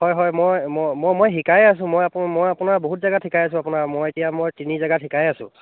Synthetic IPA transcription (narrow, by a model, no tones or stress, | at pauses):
ɦɔjɦɔjmojmmojmojɦikajasʊ̃mojapmojapunaɹboɦutzaɡatʰikajas̬ʊ̃apʊnaɹmojetijamojtinizaɡatʰikajasʊ̰̃